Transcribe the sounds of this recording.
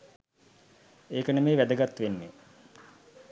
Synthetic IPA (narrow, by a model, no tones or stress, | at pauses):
eːkənəmeːʋæd̪əɡat̪ːʋenːe